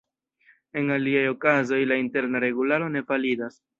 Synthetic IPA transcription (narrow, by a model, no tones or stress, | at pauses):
e̞ŋaliajo̞kazo̞jlainte̞ɾnaɾe̞ɡulaɾo̞ne̞falidas